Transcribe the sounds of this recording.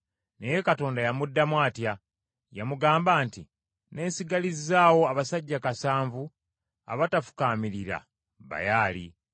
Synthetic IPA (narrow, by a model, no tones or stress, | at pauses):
neje̞kato̞ːndajamudːamwaːtja | jamuɡaːmbaːnti | ne̞ːnsiɡalizaːwo̞aβasaɟːakasaːɱvu | a̰βatafu̥kaːmiɾiɾa̰ | βa̰jaːlḭ